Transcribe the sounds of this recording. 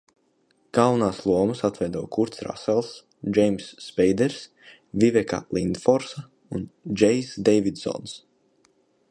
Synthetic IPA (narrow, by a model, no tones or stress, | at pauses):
kawnaːslˠuɔmɨsat̪vɛjd̪ɔwkuɾt̪sɾa̰sɛlˠs | d͡ʒɛjmsːpɛjd̪ɛɾs | vivɛka̰lˠind̪fɔɾsa | und͡ʒɛjsd̪ɛjvid̪zɔ̰ns